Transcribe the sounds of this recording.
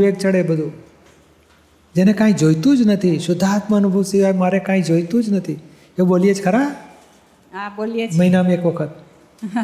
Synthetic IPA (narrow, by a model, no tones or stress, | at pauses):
ʋek̚t͡ʃəɽebəd̪ʱũ | d͡ʒenẽkãːĩd͡ʒoːjt̪ũd͡ʒnət̪ʰiʃʊd̪ʱaːt̪məːnʊbʱuʋsɪʋajmaɾekãːĩd͡ʒoːjt̪ũd͡ʒnət̪ʰi | eboːlijet͡ʃkʰəɾaː | abolmɐɦɪnameːkʋəkʰət̪̚